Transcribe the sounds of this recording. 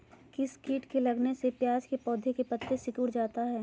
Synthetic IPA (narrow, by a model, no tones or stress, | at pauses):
kɪskiːʈkelɐɡnesepjaːd͡ʒkepɔːd̪ʱjekepɐt̪ːesɪkʊːɾd͡ʒaːt̪aɦɛː